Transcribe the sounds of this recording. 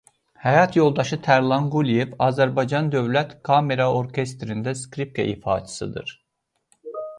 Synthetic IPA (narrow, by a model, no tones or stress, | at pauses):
hæjɑt̪ʰjo̞lˠd̪ɑʃɯt̪ʰæɾlˠɑnɡulijevɑːzæɾbɑjd͡ʒɑnd̪ø̞vlæt̪kʰɑme̞ɾɑo̞ɾcʰest̪ɾind̪æskɾip̚kʰḛʔḭfɑ̰ːt̪ʰi̥sɯ̰d̪ɯ̰ɾ̥